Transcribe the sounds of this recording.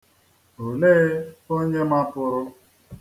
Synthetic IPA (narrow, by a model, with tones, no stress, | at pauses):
o˨le˦o˦ɲe˦ma˦pʊ˨ɾʊ˦